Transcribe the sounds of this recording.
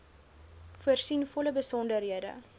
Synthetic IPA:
fuərsinfɔləbəsɔndərɦiədə̰

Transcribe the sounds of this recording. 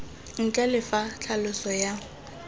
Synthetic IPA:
ŋ̩kʼɛlɪfat͡ɬʰalʊsɔja

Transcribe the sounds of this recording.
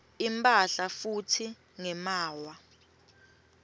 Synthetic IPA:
impʼaɬafutʰi | ŋɛmaːwa

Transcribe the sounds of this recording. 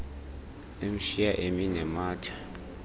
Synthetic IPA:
em̩ʃijaʔeminɛmaːtʰḁ

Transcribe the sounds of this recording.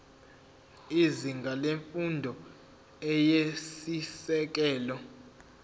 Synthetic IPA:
iziŋɡʱaleɱfundʱɔ | ɛjesisɛk̬ɛːlɔ

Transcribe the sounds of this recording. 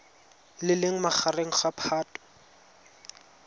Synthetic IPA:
lɪlɪŋ̩maχareŋ̩χapʰaːtʼɔ̥

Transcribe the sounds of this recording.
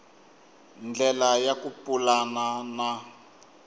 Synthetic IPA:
nd͡ɮɛlajakupulanana

